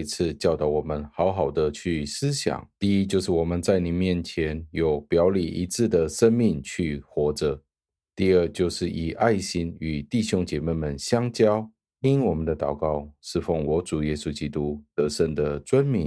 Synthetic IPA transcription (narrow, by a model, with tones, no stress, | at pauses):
i˧˥t͡s̩ʰ˥˧t͡ɕjɑ˥˩ʊt̪ɑ˨˧˩ʊwɔ˨˩mə˦nxɑ˧˥ʊxɑ˨˩ʊd̪ə˦t͡ɕʰy˥˩sɹ̩˥˦ɕjɑ̰˨˩˦ŋt̪i˥˧i˦t͡ɕjo˥˧ʊʂɻ̩˥˩wɔ˨˩mə˦nt͡sa˥˩ɪni˨˩mjɛ˥˩nt͡ɕʰjɛ˧˦njo˨ʊpjɑ˧˥ʊli˨˩ʔi˧˦t͡sʰɹ̩˥˩d̪ə˩ʂə˥nmi˥˧ŋt͡ɕʰy˥˩xwɔ˧˥ʈ͡ʂə˧ | t̪i˥˧ə˥˧t͡ɕjo˥˧ʊʂɻ̩˥˩ʔi˨˩ʔa˥˩ɪɕi˥ny˨˩t̪i˥˩ɕjo˥ŋt͡ɕjɛ˨˩me˥˩ɪmə˨˩nɕjɑ˥ŋt͡ɕjɑ˥ʊ | i˦˥nwɔ˨˩mə˨nd̪ə˧t̪ɑ˨˩ʊkɑ˥˩ʊʂɻ̩˥˧fo˥˩ŋwɔ˧˥ʈ͡ʂu˨˩jɛ˦su˥t͡ɕi˥t̪u˥t̪ə˧˥ʂə˥˩nd̪ə˩t͡swa˦˥nmi˧˥˦n